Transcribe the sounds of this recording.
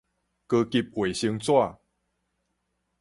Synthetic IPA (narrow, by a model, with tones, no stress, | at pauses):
kə˧ki˧p̚we˨˩ɕi˧ŋt͡swa˥˧˨